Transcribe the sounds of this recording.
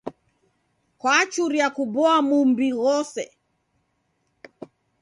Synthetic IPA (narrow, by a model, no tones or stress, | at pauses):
kwat͡ʃuɾiakubɔamumbiɣɔsɛ̰